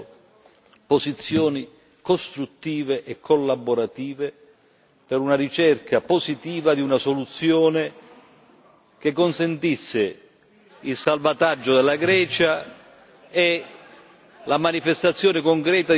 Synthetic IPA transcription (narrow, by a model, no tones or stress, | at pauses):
pozit̪sːjɔːni | kost̪ɾut̪ːiːveʔɛkʰːolːaboɾat̪iːve | peɾunaɾit͡ʃɛrkapozit̪iːvad̪iunasolut̪sːjoːne | k̟ekːonsent̪isːɪ | ilsalvat̪ad͡ʒːod̪elːaɡɾɛːt͡ʃa | e | lamanifest̪at̪sːjɔːnɪkoŋkɾɛːt̪a